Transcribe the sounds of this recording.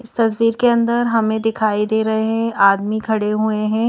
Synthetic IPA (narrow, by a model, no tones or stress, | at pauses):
ɪst̪ɐsʋiːɾkeɐ̃nd̪əɾɦɐmẽd̪ɪkʰaːid̪eːɾɐɦeɦɛ̃ʔaːd̪mikʰɐɽeɦueɦɛ̃ː